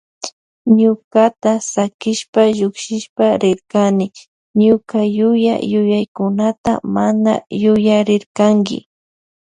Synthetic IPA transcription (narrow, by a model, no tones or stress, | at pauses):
ɲʊkat̪asakɪʃpaʒʊkʃɪʃpaɾɪɾkanɪ | ɲʊkajʊja̰jʊjajkʊnat̪a̰mana̰jʊjaɾɪɾkaŋɡɪ̰